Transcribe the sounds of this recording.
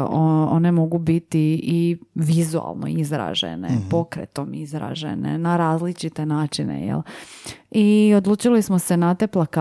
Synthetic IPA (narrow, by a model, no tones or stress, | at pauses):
oone̞mo̞ɡubit̪iiʋizua̰lˠno̰izɾa̰ːʒḛnḛpo̞kɾḛt̪omizɾa̰ːʒḛnḛnaɾaːzlit͡ʃit̪e̞naːt͡ʃinḛjɛ̰l | iod̪lˠuːt͡ʃilismose̞nat̪eplˠaka